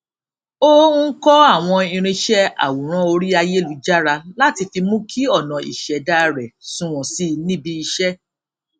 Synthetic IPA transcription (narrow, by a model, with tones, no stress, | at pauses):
o˦ŋ̩˦kɔ˦a˦˨w̃ɔ̃˧ĩ˧ɾ̃ĩ˧ʃɛ˦a̰˨wu˨ɾ̃ã˦o˧ɾi˦a˧je˦lu˨˦d͡ʒa˦ɾa˧la˦ti˧fi˧mũ˦kʰi˦ɔ˦˨nã˨ḭ˨ʃɛ˨da˦ɾɛ˨sũ˦w̃ɔ̃˨si˦nĩ˦bi˧i˧ʃɛ˦